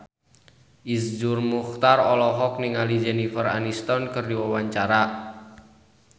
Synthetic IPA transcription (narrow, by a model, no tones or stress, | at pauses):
ʔisd͡ʒʊrmuxt̪arɔlɔɦɔk̚niŋalid͡ʒɛnifəra̰nist̪ɔnkərdiwawaɲt͡ʃaɾa